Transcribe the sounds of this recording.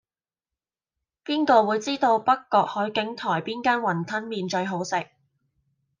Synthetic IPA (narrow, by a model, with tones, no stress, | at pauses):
piː˥nkɔː˧wuː˨˧jt͡siː˥t̪o˧wpɐ˥kːɔː˧k̚hɔː˨˥jkɪ˨˥ŋt̪ʰɔː˨˩jpiː˥nkaː˥nwɐ˨˩nt̪ʰɐ˥nmiː˧nt͡ʃɵ˧ɥɦo˨˥wsɪ˨k̚